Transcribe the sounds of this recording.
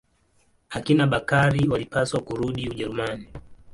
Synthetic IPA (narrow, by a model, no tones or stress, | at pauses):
akinaɓakaɾiwalipaswakuɾuɗiuʄɛɾumani